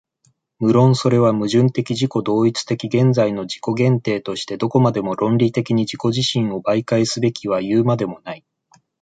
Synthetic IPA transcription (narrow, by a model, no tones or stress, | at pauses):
mɯ̟ɾõ̞ɰ̃so̞ɾe̞β̞amɯ̟ʑɨ̃nt̪e̞kʲiʑiko̞d̪o̞ːit͡sɨ̥t̪e̞kʲiɡẽ̞nd͡zaino̞d͡ʑi̥ko̞ɡẽ̞nt̪e̞ːt̪o̞ɕi̥t̪e̞d̪o̞ko̞mad̪e̞mo̞ɾõ̞nɾʲit̪e̞kʲiɲ̟id͡ʑiko̞ʑiɕĩɰ̃o̞baikaesɨbe̞kʲiβ̞ajɯːmad̪e̞mo̞nai